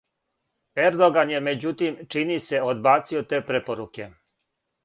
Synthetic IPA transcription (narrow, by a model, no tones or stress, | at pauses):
eɾd̪oɡanjemed͡ʑut̪imt͡ʃinise̞od̪baːt̪siot̪eːpɾepoɾuke̞